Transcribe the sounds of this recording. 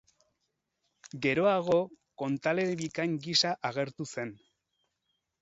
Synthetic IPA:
ɡe̞ɾo̞aɣ̞o̞ | ko̞nt̪ale̞βikaŋɡisaʔaɣe̞ɾt̪use̞n

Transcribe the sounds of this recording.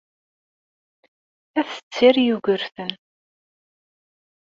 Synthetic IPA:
æθə̥t͡sːɪɾjuʝəɾθən

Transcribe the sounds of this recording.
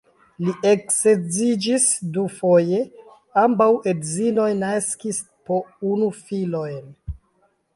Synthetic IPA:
liʔeksed͡zid͡ʒisdufoje̞ | ambawedzino̞jnaskis | po̞unufilo̞jn

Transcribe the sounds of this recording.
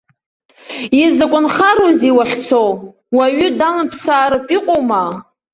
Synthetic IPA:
izɨkʷʼʊnχaɾoziwaχʲt͡sʰow | waɥʏdanɨpʰsaːɾɨpʼiqʼowma

